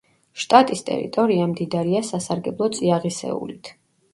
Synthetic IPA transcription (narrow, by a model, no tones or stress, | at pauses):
ʃt̪ʼat̪ʼist̪ʼɛ̰ɾḭt̪ʼɔɾiamd̪id̪aɾiasasaɾɡɛblˠɔt̪sʼiaʁisɛ̰ṵlit̪ʰ